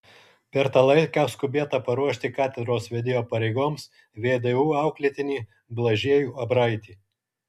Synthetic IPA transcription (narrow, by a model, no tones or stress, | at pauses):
pʲɛɾt̪ɑːlˠɐɪkʲːskʊbʲiɛt̪ɑpɐɾuɔʃʲt̪ʲɪkɑːt̪ʲɛd̪ɾoːsʋʲɛd̪ʲɪːjoːpɐɾʲɛɪɡoːms | ʋʲeːd̪euːɑˑʊklʲɪt̪ʲɪnʲiː | blˠɐʒʲiɛjuːɐbɾɐɪt̪ʲiː